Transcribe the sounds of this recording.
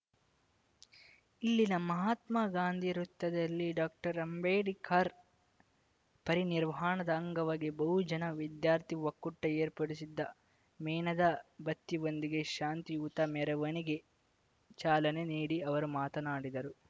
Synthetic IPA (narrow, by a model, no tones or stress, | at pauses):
ilːinɐmɐɦaːt̪mɐɡaːnd̪ʱiɾut̪ːɐd̪ɐlːiɖaːk̚ʈɐɾɐmbeːɖikʰaːɾ | pɐɾiniɾʋɐɦaːɳɐd̪ɐːŋɡɐʋaːɡibɐɦud͡ʒɐnɐʋid̪jaːɾt̪iʋɐkːuʈːɐeːɾpɐɽisid̪ːɐ | mɛːnɐd̪ɐbɐt̪ːiond̪iɡe̞ʃaːnt̪iuːt̪ɐmɛɾɐʋɐniɡe̞ | t͡ʃaːlɐne̞niːɽiɐʋɐɾumaːt̪ɐnaːɽid̪ɐɾu